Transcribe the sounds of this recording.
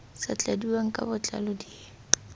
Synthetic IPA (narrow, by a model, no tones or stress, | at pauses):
sat͡ɬʼadiwaŋ̩kʼa̰bʊt͡ɬʼa̰lɔdieː